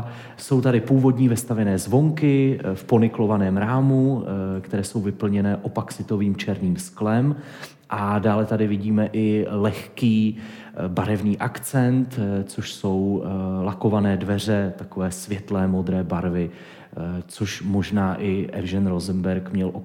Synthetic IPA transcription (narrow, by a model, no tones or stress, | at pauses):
so̞wt̪adɪpuːvo̞dɲiːvɪst̪avjɛnɛːzvo̞ŋkɪfpo̞nɪklo̞vanɛːmɾaːmukt̪ɛɾɛːso̞wvɪpl̩ɲɛnɛːʔopaksɪt̪o̞viːmt͡ʃɛɾniːmsklɛm | ʔadaːlɛt̪adɪvɪɟiːmɛʔɪlɛxkiː | baɾɛvniːʔakt͡sɛnt̪t͡so̞ʃso̞wlako̞vanɛːdvɛr̝ɛt̪ako̞vɛːsvjɛt̪lɛːmo̞d̪ɾɛːbaɾvɪ | t͡so̞ʃmo̞ʒnaːʔɪʔɛ̰vʒɛnɾozɛmbɛɾkmɲɛlʔo